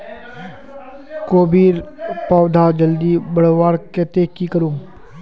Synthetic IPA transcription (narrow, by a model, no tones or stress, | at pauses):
koːbiːɾpaːwd̪ʱaːd͡ʒəld̪ibəɽʋaːɽkɛːt̪ekikəɾuːm